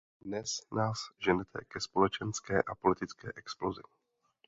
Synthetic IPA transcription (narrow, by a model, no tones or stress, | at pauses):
dnɛsnaːsʒɛnɛt̪ʰɛ̰kɛspo̞lɛt͡ʃɛnskɛːʔapo̞lɪt̪ɪt͡skɛ̰ːʔɛksplozɪ̰